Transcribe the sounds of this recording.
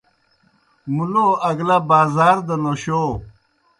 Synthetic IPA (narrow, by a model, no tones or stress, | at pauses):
muloɐɡlɐbaːzaːɾd̪ɐnoɕo